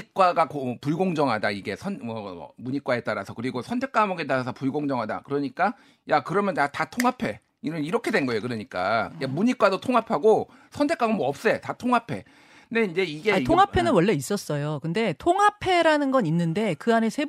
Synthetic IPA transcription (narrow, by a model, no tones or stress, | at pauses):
ik͈waɡakopuɭɡoŋd͡ʑʌŋɦadaiɡe̞sʰʌnmʌ̰muɲik͈wae̞t͈aɾasʰʌkɯɾiɡosʰʌntʰe̞k͈amʌɡet̬͈aɾasʰʌpuɭɡoŋd͡ʑʌŋɦada̰kɯɾʌɲik͈a | jakɯɾʌmjʌnjatatʰoŋɦapʰe̞ | inɯniɾʌkʰe̞dwe̞nɡʌejokɯɾʌɲik͈a̰jamuɲik͈wadotʰoŋɦapʰaɡo | sʰʌntʰe̞k͈amʌnmʌp̚s͈e̞tatʰoŋɦapʰe̞ | nde̞ind͡ʑe̞iɡetʰoŋɦapʰe̞nɯnwʌɭːe̞is͈ʌs͈ʌjokɯnde̞tʰoŋɦapʰe̞ɾanɯnɡʌninːɯnde̞kɯane̞sʰe̞